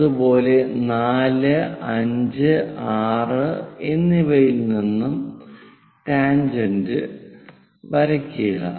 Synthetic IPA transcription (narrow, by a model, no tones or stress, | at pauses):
ubo̞ːle̞naːlɨɐɲd͡ʑɨaːrɨenːibɐjilninːum | ʈaːnd͡ʑɐndɨ | ʋɐɾɐkʲːuɣɐ̰